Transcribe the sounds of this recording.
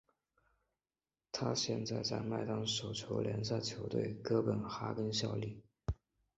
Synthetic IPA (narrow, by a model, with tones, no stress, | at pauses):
t̪ʰa˥ɕjɛ̰˥˧nt͡sa˥˧ɪt͡sa̰˥˧ɪma˥˧ɪt̪ɑ˥ŋʂo˨˩ʊt͡ɕʰjo˧˥ʊljɛ̰˧˥nɕa˥˩t͡ɕʰjo˧˥ʊt̪wḛ˥˩ɪkɤ˥pə˨˩nxa̰˥kə˥nɕjɑ˥˧ʊli˥˩